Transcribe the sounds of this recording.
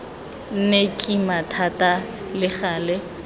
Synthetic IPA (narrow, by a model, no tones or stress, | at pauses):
n̩nekʼimatʰatʼa | lɪχaːlɛ